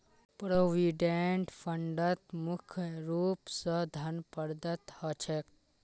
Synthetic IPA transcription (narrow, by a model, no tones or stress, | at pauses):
pɾoːʋiɖeɳʈfʰəɳɖət̪mukʰjɾuːpsəd̪ʱɐnpəɾd̪ət̪hət͡ʃʰek